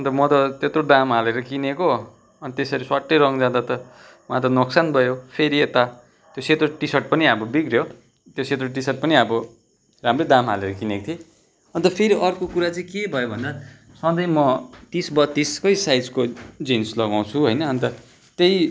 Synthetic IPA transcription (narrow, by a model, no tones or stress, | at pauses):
ʌnt̪ʌmʌt̪ʌt̪et̪roɖãmɦaleɾʌkineko | ʌnit̪esʌɾiswaʈːeɾʌŋd͡zãd̪at̪ʌ | mãt̪ʌnoksanbʱʌjopʰeɾiet̪a | t̪joset̪roʈisʌʈ̚pʌniabʌbiɡrjo | t̪joset̪roʈ̬isʌʈ̚pʌniabʌ | ramrʌd̪amɦa̰leɾʌkinekot̪ʰje | ʌnt̪ʌpʰeɾiʔʌrkokuɾat͡sʌĩkebʱʌjobʱʌnd̪a | sʌd̪ʌjmʌt̪isbʌt̪ːiskʌjsajd͡zkod͡zinslʌɡaw̃t͡sʰuɦʌjnʌːnt̪ʌ | t̪ej